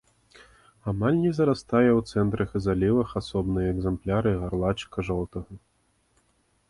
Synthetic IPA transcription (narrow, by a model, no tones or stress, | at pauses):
amalʲnʲɛzɐɾast̪ajɛwt̪sɛnt̪ɾɐxɨzalʲivɐxasɔbnɨjɐɛɡzɛmplʲaɾɨɣarlˠat͡ʃkɐʐɔlˠt̪ɐɣɐ